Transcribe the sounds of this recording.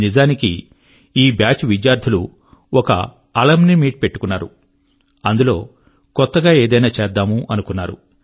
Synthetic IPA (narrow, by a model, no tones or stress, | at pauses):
nizaːnikḭ | iːbjaːt͡ʃʋid͡ʒjaːɾd̪ʱulu | ɔkɐ̰ | ɐlɐmnimiːʈ̚pe̞ʈːu̥kunːaːɾṵ | ɐnd̪ulo̞ː | kɔt̪ːɐɡaːeːd̪ɐjnaːt͡ʃeːɾd̪aːmuʔɐnukunːaːɾṵ